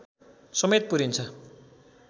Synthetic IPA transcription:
sʌmet̪̚puɾint͡sʰʌ

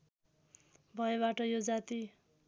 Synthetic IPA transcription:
bʱʌeβaʈʌjod͡zat̪i

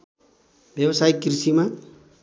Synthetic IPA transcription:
bjʌbsajkrisima

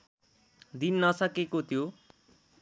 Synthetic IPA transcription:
d̪inːʌsʌkekot̪ʰjo

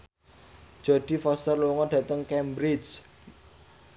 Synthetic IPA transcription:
d̥ʒ̥ɔ̤ɖ̥i̤fɔst̪ərluuŋɔɖ̥ä̤t̪əŋkɛmbɾid͡ʒ

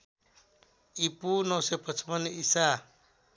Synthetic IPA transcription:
ipunəwsepət͡ʃpənisa

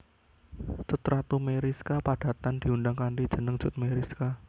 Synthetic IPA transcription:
sut̪ɾat̪umeɾiskapaɖ̥a̤t̪and̪̥i̤unɖaŋkanɖid̥ʒ̥ə̤nəŋd̥ʒ̥ʊ̤t̪̚meɾiska

